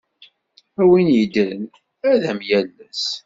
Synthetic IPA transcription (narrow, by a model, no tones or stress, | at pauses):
æwinjəd̪ɾən | æðæmjælːæs